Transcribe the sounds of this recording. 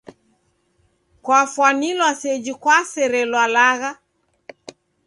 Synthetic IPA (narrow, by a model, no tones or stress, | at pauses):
kwafwanilwasɛd͡ʒikwasɛɾɛlwalaɣa